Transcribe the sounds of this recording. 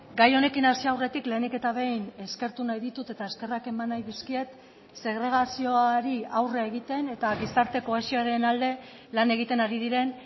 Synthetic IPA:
ɡajo̞ne̞kinasiawre̞t̪ikle̞ːnike̞t̪aβ̞e̞jne̞ske̞ɾt̪unajðit̪ut̪e̞t̪ae̞ske̞rake̞manːajðiskie̞t̪ | se̞ɣɾe̞ɣ̞asio̞aɾiawreaeɣ̞it̪e̞ne̞t̪aβisaɾt̪e̞ko̞eʃiaɾe̞nald̪e̞ | lane̞ɣ̞it̪e̞naɾiðiɾe̞n

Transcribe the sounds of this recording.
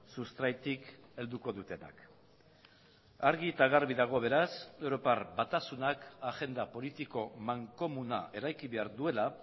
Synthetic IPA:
sust̪ɾajt̪ike̞ld̪uko̞ðut̪e̞na̰k | aɾɣit̪aɣaɾβiðaɣ̞o̞β̞e̞ɾasewɾo̞parbat̪asunakaɣe̞nd̪apo̞lit̪iko̞maŋko̞munaʔe̞ɾajkiβe̞aɾðue̞la

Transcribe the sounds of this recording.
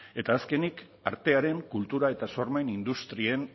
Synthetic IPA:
e̞t̪aːske̞nik | a̰ɾt̪e̞aɾe̞ŋkult̪uɾae̞t̪aso̞rmanind̪ust̪ɾien

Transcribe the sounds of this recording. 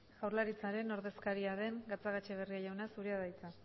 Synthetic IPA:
ɣ̥awɾlaɾit͡saɾe̞no̞ɾðe̞skaɾiaðe̞ŋɡat͡saɣat͡ʃeβ̞eriajawnasuɾiaðajt͡sa

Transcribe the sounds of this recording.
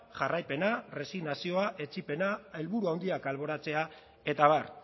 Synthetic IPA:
ʝarajpe̞nare̞siɣnasio̞aʔe̞t͡sipe̞nae̞lβuɾuawnd̪iakalβo̞ɾat͡se̞a | e̞t̪aβ̞ar

